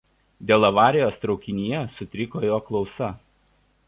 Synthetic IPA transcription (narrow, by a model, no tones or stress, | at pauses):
d̪ʲeːlˠɐʋɑːɾʲɪjoːst̪ɾɒʊkʲɪnʲijɛsʊt̪ʲɾʲɪkoːjoːklˠɒʊsɐ